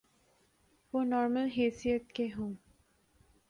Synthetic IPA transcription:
ʋonɔːɾməlɦeːsijət̪keɦõ

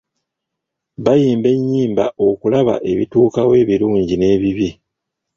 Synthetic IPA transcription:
βajiːmbe̞ɲːiːmba̰ʔo̞kulaβa̰ʔe̞βḭtuːkawe̞ːβiɾuːɲɟine̞ːβiβi

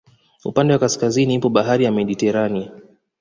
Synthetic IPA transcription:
upandɛwakaskaziniipɔɓaɦaɾijamɛɗitɛɾania

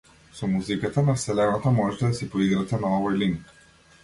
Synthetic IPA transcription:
sɔmuzikat̪anafsɛlɛnat̪amɔʒɛt̪ɛd̪asipɔiɡɾat̪ɛnaɔvɔjliŋk

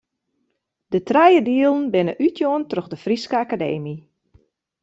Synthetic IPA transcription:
d̥ətrɛjədiəlˠən̩bɪnəʔytʰjoəntrøxdəfriskəakadḛːmi

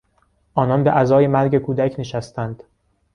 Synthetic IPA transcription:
ʔɒːnɒːnbeʔæzɒːjemæɾɟekʰuːd̪æcʰneʃæst̪ʰænd̪̥

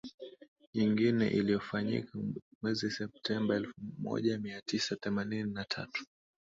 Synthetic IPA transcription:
ɲiŋɡinɛ̰ʔilijɔfaɲḭkʰamwɛzisɛp̚tʰɛmbaɛlfumɔ̰ʄamiatisaθɛmanininatʰa̰tu̥

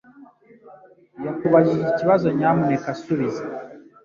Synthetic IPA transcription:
jakuβaʒiʒiciβazo̞ɲamunekasuβiza

